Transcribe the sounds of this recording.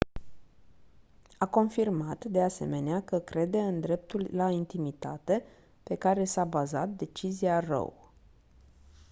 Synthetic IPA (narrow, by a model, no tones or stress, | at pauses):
ako̞nfirmat̪d̪e̞ase̞̰me̞neakəkɾe̞d̪e̞ɨnd̪ɾe̞p̚t̪ullaint̪imit̪a̰t̪e̞ | pe̞kaɾe̞sabaza̰t̪̚d̪e̞t͡ʃiziarə̰w